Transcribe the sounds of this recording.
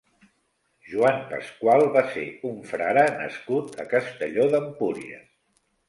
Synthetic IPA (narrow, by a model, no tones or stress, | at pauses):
ʒuampə̰skwalˠβaseuɱfɾa̰ɾanə̰skut̪əkəst̪əʎoðəmpuɾḭə̰